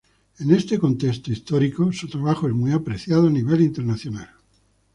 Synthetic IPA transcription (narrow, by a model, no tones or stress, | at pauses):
ene̞st̪e̞ko̞nt̪e̞st̪oist̪oɾikosut̪ɾaβaxoezmwiapɾe̞θjaðoaniβ̞e̞lint̪e̞ɾnaθjo̞nal